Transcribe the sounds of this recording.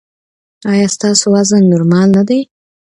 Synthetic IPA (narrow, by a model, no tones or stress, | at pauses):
ɑjɑst̪ɑsowazannʊɾmɑlnad̪aj